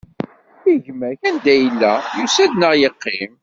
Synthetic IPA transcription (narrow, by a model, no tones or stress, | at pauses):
iʝmæçænd̪æjəlːæjusæd̪nəʁjəqːɪm